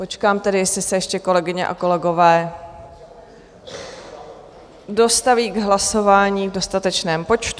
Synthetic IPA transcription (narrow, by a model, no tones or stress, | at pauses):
po̞t͡ʃkaːmt̪ɛdɪjɛslɪsɛjɛʃcɛko̞lɛɡɪɲɛ̰ʔa̰ko̞lɛɡo̞vɛː | do̞st̪aviːɡɦlaso̞vaːɲiːvdo̞st̪at̪ɛt͡ʃnɛːmpo̞t͡ʃt̪u